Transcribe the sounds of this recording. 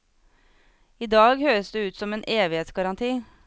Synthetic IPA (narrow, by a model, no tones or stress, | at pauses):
iːd̪ɑːɡhøːɾəsd̪ʉːʉːt̪sɔmeːnʔeːʋɪheːt̪sɡɑɾɑnt̪ʰiː